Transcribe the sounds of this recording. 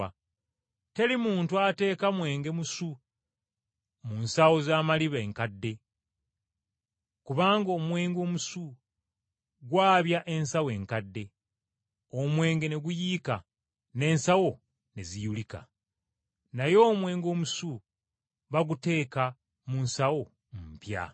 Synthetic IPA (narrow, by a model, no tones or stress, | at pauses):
te̞limuːntuate̞ːkamwe̞ːŋɡe̞musu | munsawo̞zaːmaliβeeŋkadːe̞ | kuβaːŋɡo̞mwe̞ːŋɡo̞ːmusu | ɡwaːβjaʔe̞nsawe̞ːŋkadːe̞ | omwe̞ːŋɡe̞ne̞ɡujiːka | ne̞ːnsawo̞ | ne̞zijulika̰ | najo̞ːmwe̞ːŋɡo̞ːmusu | βaɡute̞ːka | munsawo̞ | mpja̰